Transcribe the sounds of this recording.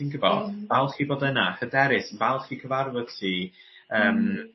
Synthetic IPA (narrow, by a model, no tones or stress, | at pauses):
inɡəbɔ̰b̥alˠχiːboːdənaχədɛɾɪsbalˠχiːkʰəvaɾwəð̥tʰi | əːm